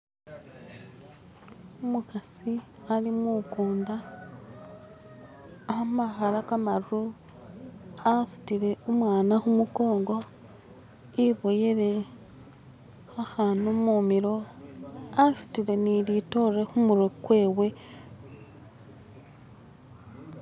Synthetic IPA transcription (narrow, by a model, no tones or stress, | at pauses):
umukasi | alimukuːnda | hamaxalakamaɾu | asu̥tiɾe̞umwaːnaxumuko̞ːŋɡo̞ | iβo̞jeɾe | xaxanumumiɾo̞ | asi̥tiɾe̞nilito̞re̞xumuɾokwe̞ːwe̞